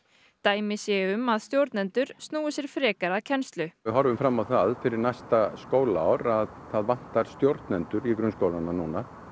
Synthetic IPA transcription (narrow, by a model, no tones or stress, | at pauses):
t̪aːjmɪsjɛʏmaðst̪jowɾt̪nɛnt̪ʏɾ̥st̪nuːʏsjɛɾ̥fɾɛːkaɾaðcʰɛnst̪lʏɪɦɔɾvʏmfɾamːawθaðfɪɾɪɾnajst̪askoːwlaawɾaðθaðvan̥t̪aɾ̥st̪jowɾt̪nɛnt̪ʏɾikɾʏnskowlananuːna